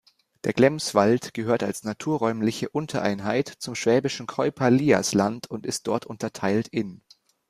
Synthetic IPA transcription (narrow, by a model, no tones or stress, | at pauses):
d̥eːɐɡlɛmsv̥altɡ̥əɦøːɐtalsnatʰuːɐʁɔʏmlɪçəʔʊntʰɐʔa̰ɪnɦaɪtt͡sʊmʃv̥ɛːbɪʃn̩kʰɔʏpʰaliːa̰slantʰʊntɪst̚d̥ɔɐtʊntɐtʰaɪltɪn